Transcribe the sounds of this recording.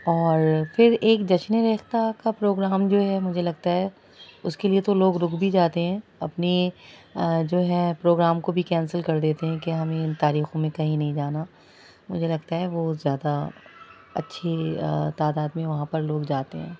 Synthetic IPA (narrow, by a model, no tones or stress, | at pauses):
ɔːɾfɪɾeːkd͡ʒɐt͡ʃneɾɛːxt̪akapɾoːɡɾaːmd͡ʒoːɦɛmʊd͡ʒʱelɐɡt̪aɦɛ | ʊskeliet̪oloːɡɾʊkbʱid͡ʒaːt̪eɦɛ̃ːɐpni | d͡ʒoːɦɛpɾoːɡɾaːmkobʱikɛ̃ːnsəlkɐɾd̪eːt̪eɦɛ̃keɦɐmẽɪnt̪aːɾiːxõmẽkɐɦĩnɐɦĩd͡ʒaːna | mʊd͡ʒʱelɐɡt̪aɦɛʋozjaːd̪a | ɐ̰tːʃʰit̪aːd̪aːd̪mẽʋɐɦãpɐɾloːɡd͡ʒaːt̪eɦɛ̰̃ː